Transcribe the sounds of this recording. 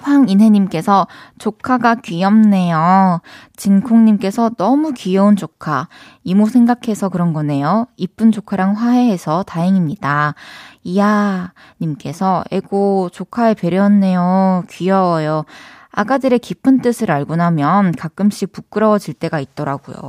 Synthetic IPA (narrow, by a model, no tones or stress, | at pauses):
ɸwaŋinɦe̞ɲimk͈e̞sʰʌt͡ɕokʰaɡakɥijʌmne̞jo | t͡ɕinkʰoŋɲimk͈e̞sʰʌnʌmukijʌund͡ʑokʰa | imosʰeŋɡakʰe̞sʰʌkɯɾʌnɡʌne̞joip͈ʰɯnd͡ʑokʰaɾaŋɸwaɦe̞ɦesʰʌtaeŋimɲida | ija | ɲimk͈e̞sʰʌḛɡot͡ɕokʰaepe̞ɾjʌnːe̞jokɥijʌwʌjoa̰ɡadɯɾekipʰɯnt͈ɯsʰɯɾaɭɡunamjʌnkak͈ɯmɕ͈ipuk͈ɯɾʌd͡ʑiɭt͈e̞ɡait̚t͈ʌɾaɡ̥ṵjo̰